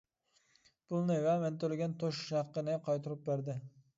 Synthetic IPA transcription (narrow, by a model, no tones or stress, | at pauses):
pʰʊlˠnɪvament̪ʰolɪɡʲɛnt̪ʰoʃʃɑqːɨnɪqʰɑjt̪ʰʊɾɪp̚beɾd̪ɪ